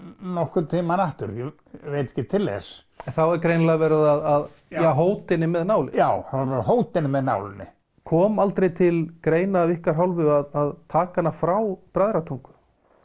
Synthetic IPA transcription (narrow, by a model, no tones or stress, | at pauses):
nɔhkʏt̪ʰiːmanaht̪ʏ̰ɾjɛ | vejt̪ɛ̥hcːɪt̪ʰɪlːɛ̰s | ɛnθawɛɾkɾeːjnlaɣavɛːɾɪðaðað | jaɦoːwt̪ɪnːɪmɛðnaːwlɪ̰njaːwaɾaðɦoːwt̪ɪnmɛðna̰wlɪnːɪ̰ | kʰɔːmalt̪ɾejt̪ʰɪlkɾeːjnaːvihkaɾ̥ɦawlvɪaðaðt̪ʰaːkanːafɾawpɾajðɾat̪ʰuwŋkʏ̥